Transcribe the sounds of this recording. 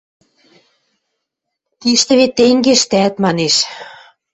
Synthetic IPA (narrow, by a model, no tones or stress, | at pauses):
t̪iʃt̪ɘ̆βet̪ːeŋɡeʃt̪æt̪mɑneʃ